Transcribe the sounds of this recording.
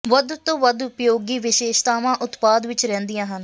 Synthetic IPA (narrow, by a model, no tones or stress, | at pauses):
ʋəd̪t̪õːʋəd̪ʊpjoːɡiːʋɪʃeːʃt̪aːʋãːʔʊt̪paːd̪ʋɪt͡ʃɾɛ̃ːnd̪ijãːɦən